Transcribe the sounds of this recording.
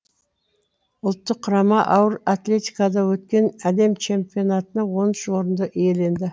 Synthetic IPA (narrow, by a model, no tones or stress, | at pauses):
ʊlˠt̪ːəqʰːʊɾɑmɑʔɑwəɾat̪le̞t̪ijkɑd̪ɑwɵt̪kʲe̞næd̪e̞mt͡ʃʰe̞mpʲijo̞nat̪ənɑwo̞nʃwo̞ɾənd̪əʔije̞le̞nd̪ɪ